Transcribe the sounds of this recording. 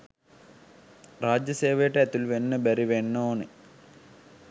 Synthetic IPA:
ɾaːd͡ʒjɐseːʋeːʈɐɐt̪ulʋenːɐbɐɾiʋenːoːnɨ

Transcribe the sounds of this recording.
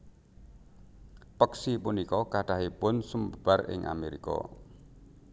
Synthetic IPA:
pəksipʊnikɔkaɖ̥aɦipʊnsumbəb̥arɪ̰ŋʔa̰meɾḭkɔ̰

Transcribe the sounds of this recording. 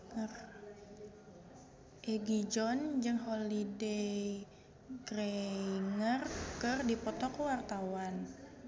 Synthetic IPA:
ŋər | ʔeɡid͡ʒɔnd͡ʒɨŋɦolide | ɡreiŋərkərdipɔt̪ɔkwart̪awan

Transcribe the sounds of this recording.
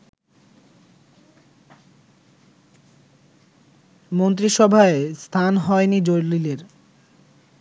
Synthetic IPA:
mont̪ɾiʃɔbʱaest̪ʰanɦɔenid͡ʑoɾlileɾ

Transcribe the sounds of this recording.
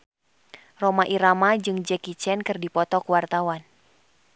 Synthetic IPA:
romaʔiɾamad͡ʒɨŋd͡ʒɛkit͡ʃɛnkɨrdipɔt̪ɔkuwart̪awan

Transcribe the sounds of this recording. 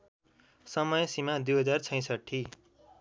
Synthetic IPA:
sʌmʌjsimad̪ujɦʌd͡zart͡sʰʌ̃j̃sʌʈʰːi

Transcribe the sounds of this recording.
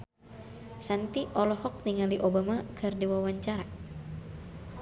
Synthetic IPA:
sant̪iʔɔlɔhɔk̚niŋaliʔobamakʰɨrdiwawaɲt͡ʃaɾa

